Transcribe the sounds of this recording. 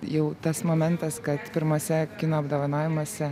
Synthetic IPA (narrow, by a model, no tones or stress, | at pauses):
jɛʊt̪ɐsmoːmʲɛnt̪ɐskɐt̪pʲɪɾmɐsʲɛkʲɪnɐɐbd̪oːʋɐnɑːʋʲɪmoːsʲɛ